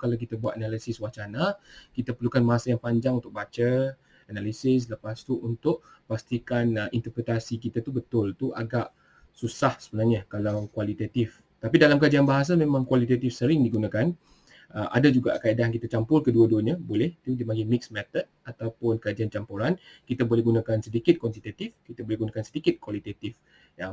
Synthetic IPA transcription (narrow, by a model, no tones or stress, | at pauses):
kalawkit̪abuat̪̚analisɪswaht͡ʃanakit̪apərlukanmaasajaŋpaɲd͡ʒaŋunt̪ʊk̚bat͡ʃa | analisɪs̬ləpast̪uʔunt̪ʊʔ | past̪ikanint̪ərpɾət̪asikit̪at̪ubət̪ʊlt̪uʔa̰ɡaʔ | susahsəbənaŋɲəkalawkwalit̪at̪if | t̪apidalamkad͡ʒianbaɦas̬amẽmãŋkwalit̪at̪ifsəɾɪŋdiɡunãkan | əʔa̰dad͡ʒuɡa̰ʔkaidajŋkit̪at͡ʃampʊlkəduəduəɲabolɛht̪udimaɡimɪksmɛt̪ət̪̚at̪awpʊnkad͡ʒiant͡ʃampuɾankit̪abolɛhɡunãkansədikɪt̪̚kɔnsit̪at̪ifkit̪abolɛhɡunakansədikɪt̪̚kwalit̪at̪if | ja